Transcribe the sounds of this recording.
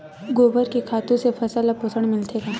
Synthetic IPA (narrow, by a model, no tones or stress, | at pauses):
ɡoːbəɾkekʰaːt̪ũsepʰɐsaːlapʊsʰəɽ̃mɪlt̪ʰekã